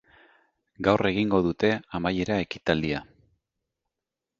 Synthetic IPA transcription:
ɡawre̞ɣiŋɡo̞ðut̪e̞amaje̞ɾae̞ki̥t̪ald̪ia

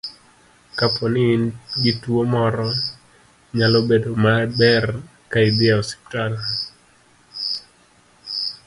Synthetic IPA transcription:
kapʰɔnɪnɡituomɔɾɔ | ɲalobedomabɛr | kaibɪaɔsi̥p̚tana

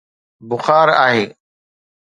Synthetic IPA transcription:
bʊxaːɾa̰ːɦeː

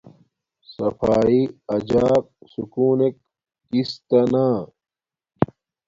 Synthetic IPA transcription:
sɐfaːiɐd͡ʑaːk̚sukuːnek̚ː | ist̪ɐnaː

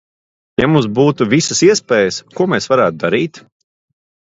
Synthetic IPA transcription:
ja̰mums̬buːt̪uvisəsiɛspeːjəskuɔmeːsvaɾæːt̪ud̪aɾiːt̪

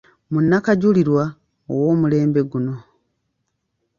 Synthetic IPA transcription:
munːakaɟuliɾwa | owo̞ːmule̞ːmbe̞ɡuno̞

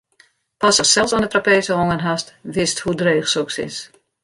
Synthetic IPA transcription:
pasɔxsɛlˠsɔndətrapeːsəɦɔŋənɦastʋɪsthudreːxsɔksɪ̰s

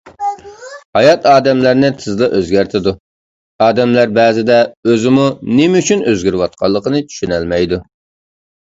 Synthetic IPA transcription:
hɑjɑt̪ɑːd̪ɛmlæɾnɪt̪ʰɨzd̪ˠɑʔøzɡʲæɾt̪ʰɪd̪u | ɑːd̪ɛmlæɾbɛːzɪd̪ɛøzɪmunɪmɪyt͡ʃʰynøzɡʲyɾwɑt̪̚qʰɑlˠːəqənɨt͡ʃ̪ʰy̥ʃynælmɛjd̪u

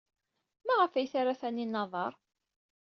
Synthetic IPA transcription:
mæʁəfæjθaɾaθænːinːɑðˤɑɾˤ

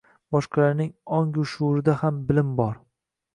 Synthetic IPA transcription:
bɒʃqʰɑlaɾnɪŋɒŋɡʊʃuɾɪd̪ahambɪlɪmbɒɾ

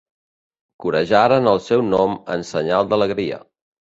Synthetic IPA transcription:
kuɾəʒaɾənəlˠsɛwnɔmə̰nsəɲalˠd̪ələɣɾiə̰

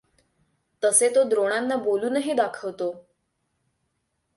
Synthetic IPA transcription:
t̪əset̪od̪ɾoɽ̃anːaboluːnəɦiːd̪akʰəʋt̪o

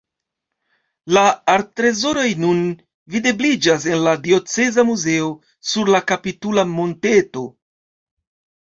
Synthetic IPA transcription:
laːɾtɾe̞zo̞ɾo̞jnun | vide̞blid͡ʒas̬e̞nladio̞t͡se̞zamuze̞o̞ | suɾlakapitulamo̞nte̞to̞

